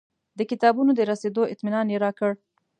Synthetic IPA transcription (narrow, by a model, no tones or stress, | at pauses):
d̪əkɪt̪ɑbunod̪əɾased̪oɪt̪minɑnjeɾɑkəɽ